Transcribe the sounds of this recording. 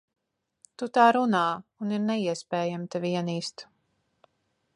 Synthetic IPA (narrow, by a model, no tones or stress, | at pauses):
t̪ut̪aːɾunaːuniɾnɛiɛspɛːjamt̪ɛvʲiɛniːst̪